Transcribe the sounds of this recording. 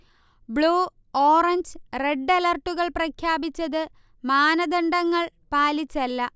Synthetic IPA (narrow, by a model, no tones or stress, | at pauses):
bɭuː | oːrɐɲd͡ʑre̞ɖːɐlɐrʈːuɣɐɭprɐkʰjaːbit͡ɕːɐðɨ | maːnɐd̪ɐɳɖɐŋːɐɭ | paːlit͡ɕːɐlːɐ